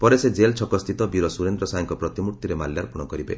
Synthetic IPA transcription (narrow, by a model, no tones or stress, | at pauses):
pɔɾesed͡ʒelt͡ʃʰɔkɔst̪ʰit̪ɔbiɾɔsuɾend̪ɾɔsajŋkɔpɾɔt̪imuɾt̪iɾemaljaɾpuɽ̃ɔkɔɾibḛ